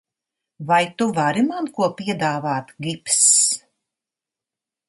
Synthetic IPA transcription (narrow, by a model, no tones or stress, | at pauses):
vajt̪uvaɾimankuɔpiɛd̪aːvaːt̪ɡips